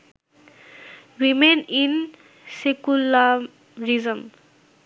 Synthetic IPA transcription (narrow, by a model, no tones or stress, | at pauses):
ɹimenin | sekula | ɹizəm